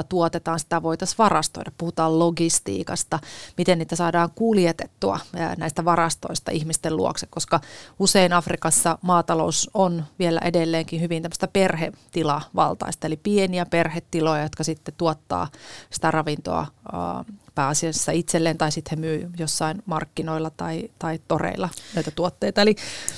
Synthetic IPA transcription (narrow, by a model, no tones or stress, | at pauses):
t̪uot̪et̪ɑːnsi̥t̪æʋo̞it̪ɑsʋɑrɑst̪o̰idɑppuhut̪ɑːlloɡist̪ḭːkɑst̪ɑmit̪enniːt̪æsɑːdɑːŋkuljet̪et̪ːuɑ̰næist̪æʋɑrɑst̪o̰ist̪ɑ̰ʔihmist̪elṵo̰kse̥kkoskɑuseinɑfrikɑsːɑmɑːt̪ɑlousonʋielæ̰ʔedelːeːŋkihyʋinæmːəst̪æperhet̪ilɑʋɑ̰lt̪ɑ̰ist̪ɑelipieniæperhet̪ːilojɑjot̪kɑsit̪ːet̪uot̪ːɑ̰ːsi̥t̪ærɑʋint̪o̰ɑ̰ | pæːɑsiɑsːɑit̪selːeːnt̪ɑisit̪hemyːjosːɑinmɑrkːinoilːɑt̪ɑit̪ɑit̪orḛilːˑɑnoit̪æt̪uot̪ːeit̪ɑeli